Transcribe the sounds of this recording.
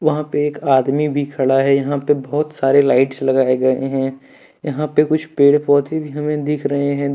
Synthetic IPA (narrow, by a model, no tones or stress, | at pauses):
ʋɐɦãpeeːkaːd̪mibʱikʰɐɽaɦɛjɐɦãpebɔɦʊt̪saːɾelaːɪʈslɐɡaːeɡɐeɦɛ̃ | jɐɦãpekʊt͡ʃʰpeːɽpɔːt̪ebʱiɦɐmẽd̪ɪkʰɾɐɦeɦɛ̃